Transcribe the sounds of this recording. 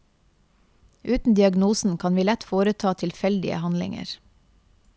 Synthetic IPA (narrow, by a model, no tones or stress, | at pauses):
ʔʉːt̪n̩d̪ɪɑɡnuːsn̩kʰɑnʋiːlɛt̪foːɾət̪ʰɑːt̪ʰɪlfɛld̪ɪ̰ə̰hɑnlɪ̰ŋə̰ɾ